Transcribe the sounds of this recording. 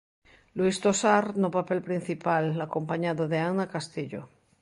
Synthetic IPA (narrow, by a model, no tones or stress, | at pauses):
lwist̪osaɾnopapelpɾĩn̟θipalakompaɲaðoðeanakast̪iʎo̰